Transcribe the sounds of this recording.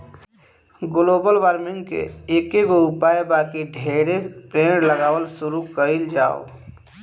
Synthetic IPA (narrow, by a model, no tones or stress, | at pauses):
ɡʊloːbəlʋaːɾmɪ̃ŋɡkḛeːkeɡoʊpaːjebaːkiɖʱeːɾepɾeːɽləɡaːwəlsʊɾukəild͡ʒa̰ːo̰